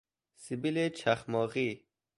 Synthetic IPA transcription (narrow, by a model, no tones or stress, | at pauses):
sibilet͡ʃʰaχmɔːʁi